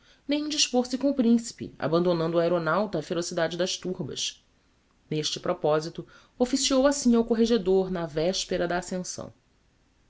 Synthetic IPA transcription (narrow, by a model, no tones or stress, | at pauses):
nẽj̃ũd͡ʒiʃpoɾsɪkõʊpɾĩsi̥pɪ̰a̰bɐ̃nd̪onɐ̃nd̪ʊaɛɾonawt̪ɐːfeɾosid̪ad͡ʒɪd̪ɐʃt̪uɾbɐ̰ʃ | neʃt͡ʃɪpɾopɔzit̪ʊ | ofisiowasĩawkoɦeʒed̪oɾnɐvɛʃpeɾɐd̪ɐːsẽsɐ̰̃w̃